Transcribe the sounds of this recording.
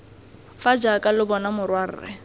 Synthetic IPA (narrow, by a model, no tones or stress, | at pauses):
fad͡ʒakʼalɪbɔnamʊrwar̩̰rɪ̰